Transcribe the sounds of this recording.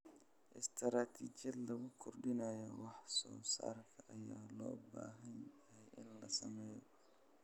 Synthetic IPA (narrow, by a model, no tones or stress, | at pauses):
ʔɪst̪ʰɾaːt̪ʰiːt͡ʃjɐd̪lɐɣʊkʰʊrɖɪnɐjɔwɑħsɔ̰ːsa̰ːrkʰɐʔɐjaːlɔːba̰ːɦɐnjɐɦɛjʔɪnlɐsɐmɛːjɔ